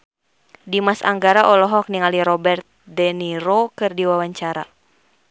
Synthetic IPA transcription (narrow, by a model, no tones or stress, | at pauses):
dimasa̰ŋɡaɾaʔɔlɔɦɔk̚niŋaliɾɔbɛrt̪̚dɛniɾokɨrdiwawaɲt͡ʃaɾa̰